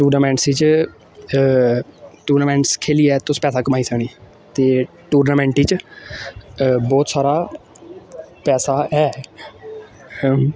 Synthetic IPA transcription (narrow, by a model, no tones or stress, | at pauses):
ʈuːɾnaːmɛ̃ːɳʈsiːt͡ʃ | ʈuːɾnaːmɛ̃ːɳʈskʰeːliːɛːt̪ʊspɛːsaːkəmaːiːsəkɳiː | t̪eː | ʈuːɾnaːmɛ̃ːɳʈiːt͡ʃ | bɔːt̪saːɾaː | pɛːsaːɛː